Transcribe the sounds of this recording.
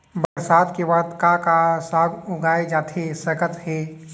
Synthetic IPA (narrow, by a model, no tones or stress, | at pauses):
bəɾsaːd̪kebaːd̪kakasaːɡʊɡaːed͡ʒaːt̪ʰesəkət̪ɦe